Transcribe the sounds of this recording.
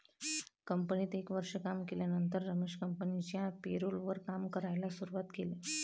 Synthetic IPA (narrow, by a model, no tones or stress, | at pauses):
kəmpəniːt̪ekʋəɾʂəkamkeljanənt̪əɾːəmeʂkəmpənit͡ɕjapeɾolʋəɾkamkəɾajlasuɾuʋat̪kele